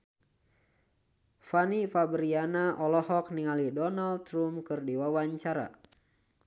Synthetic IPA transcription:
fanifabɾianaʔɔlɔhɔk̚niŋalidɔnald̪ɾumkɨrdiwawaɲt͡ʃaɾa̰

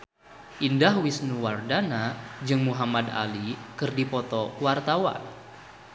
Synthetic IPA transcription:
ʔindahwisnuwardanad͡ʒɨŋmuɦamad̪a̰likɨrdipɔt̪ɔwart̪awa̰n

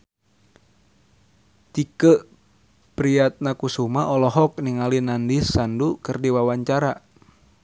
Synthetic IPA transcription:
t̪ikəʔ | pɾiat̪̚nakusumaʔɔlɔɦɔk̚niŋalinandisandukərdiwawaɲt͡ʃaɾa

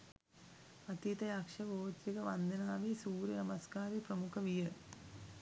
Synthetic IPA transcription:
ɐt̪it̪ɐjakʂɐʋoːt̪ːikɐʋɐnd̪ʱɐnaːʋisuːɾjɐnɐmɐskaːɾipɾɐmukʰɐʋijɐ

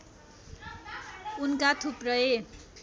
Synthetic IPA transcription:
unkat̪ʰuprʌe

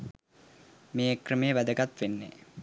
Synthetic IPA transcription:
meːkrəmejəʋæd̪əɡat̪ʋenːe

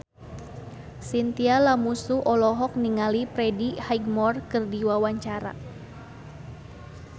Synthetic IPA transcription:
sint̪ialamusuʔɔlɔɦɔk̚niŋalipɾɛdihajɡ̚mɔrkɨrdiwawaɲt͡ʃaɾa̰

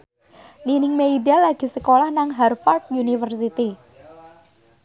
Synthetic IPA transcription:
ninɪŋmeiɖalːaɡ̥i̤səkolahnaŋɦɛrfɔrt̪̚junifərs̬it̪i

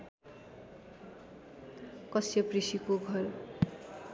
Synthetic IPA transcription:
kʌsjʌprisikoɡʱʌr

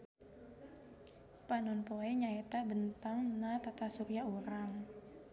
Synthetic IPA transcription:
panɔnpoɛɲaet̪abənt̪aŋnat̪at̪asuɾiauɾaŋ

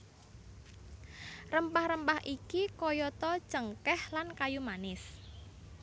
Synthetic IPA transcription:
rəmpahɾəmpahʔikikɔjɔt̪ɔ̥t͡ʃəŋkɛhlankajumanɪs

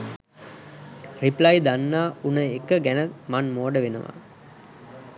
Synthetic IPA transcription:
riplɐjd̪anːaːunəekːəɡɛnəmanmoːɖəʋenuʋa̰ː

